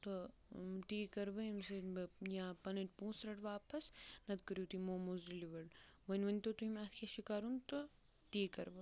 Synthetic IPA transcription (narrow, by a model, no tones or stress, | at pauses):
t̪o | t̪iːkɐɾʋɐmsejãːpɐnɐʈʲpũːsɾɐʈʋaːpɐsnɐt̪kɐɾjuːt̪iːmoːmuziliʋɐɽʋɐnʲʋɐnʲt̪ot̪uɦimaːt̪ʰkʰʲeʃikaːɾunt̪o | t̪iːkɐɾʋɐ